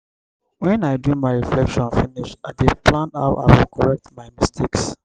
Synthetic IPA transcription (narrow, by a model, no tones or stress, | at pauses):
wɛ̃naɪdĩmaɪɹiflɛkʃɔ̃nfiniʃaɪdeplãndha̰ʊʔa̰ɪwilkʰɔɹɛk̚tmaɪmistʰeks